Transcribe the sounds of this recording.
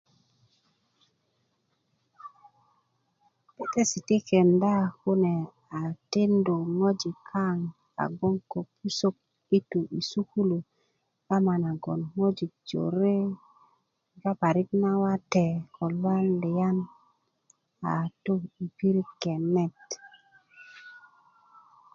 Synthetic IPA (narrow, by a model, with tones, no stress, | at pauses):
pe˦t̪e˦si˨t̪i˦ke˨nda˦ku˦ne˨ | a˨ti˦ndu˨ŋo˦d͡ʒi˨kʰːa˦ŋ | a̰˨ɡo˦ŋko˨pʰu˦so˦k̚ | i˦tu˨ʔi˨su˦ku˦lu˨ | a˦ma˨na˨ɡo˨nŋo˦d͡ʒi˨k̚d͡ʒo̰˨ɾe˦ | ɡa˦pa˨ɾi˦kna˦wa˦te˨ko˨lwa˦nli˨ja˦n | a˨tu˦i˨pi˦ɾi˦kːe˨nːɛ˦˨t